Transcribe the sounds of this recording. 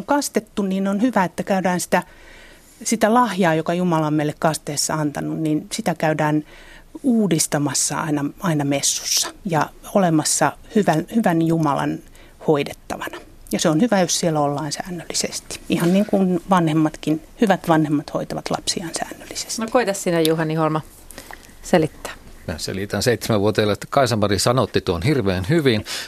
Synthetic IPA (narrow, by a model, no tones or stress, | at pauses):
oŋkɑst̪et̪ːunniːnonhyʋæet̪ːækæydæːnsi̥t̪æ | sit̪ælɑhjɑːjokɑjumɑlɑmmeilːekkɑst̪eːsːɑɑnt̪ɑnunninsit̪ækæydæːn | uːdist̪ɑmɑsːɑ̰ɑ̰inɑɑinɑmesːu̥sːɑ̥jɑolemɑsːɑhyʋænhyʋænjumɑ̰lɑ̰n | hoidet̪ːɑ̰ʋɑnɑ̥ | jɑseonhyʋæjossielæolːɑːnsæ̰ːnːølːisest̪i̥ihɑnniŋkunʋɑnhemːɑt̪kinhyʋæt̪ʋɑnhemːɑt̪ho̰it̪ɑʋɑt̪lɑ̰psiɑnsæ̰ːnːølːise̥stnoikoit̪ɑssinejuhɑniholmɑ | selit̪ːæ̥ː | mæ̰sḛlit̪ænseit̪semæʋuot̪eɑlːɑt̪ækɑisɑmpɑrisɑnot̪ːit̪uonhirʋeːnhyʋin